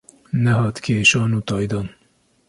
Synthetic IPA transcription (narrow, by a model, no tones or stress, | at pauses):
nɛɦɑːt̪kʰeːʃɑːnuːt̪ɑːjd̪ɑːn